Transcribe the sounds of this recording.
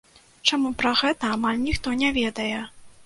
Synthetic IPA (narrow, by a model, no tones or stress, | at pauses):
t͡ʂamupɾɐɣɛt̪ɐamalʲnʲixt̪ɔnʲɛvʲɛd̪ɐjɛ